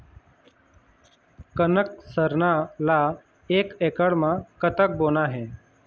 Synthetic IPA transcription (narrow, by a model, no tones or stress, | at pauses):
kənəksəɾnala | eːkekəɽmãkət̪ək̚boːnaɦẽː